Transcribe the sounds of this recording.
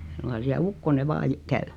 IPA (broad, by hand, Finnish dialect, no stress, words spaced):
e suŋkɑn siæ ukːone ʋɑː j kæy